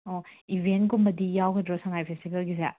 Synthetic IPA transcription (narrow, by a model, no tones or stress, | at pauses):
oibʱenɡumbɐdijawkʰɐdɾosɐŋajpʰestibʰelɡis̬a̰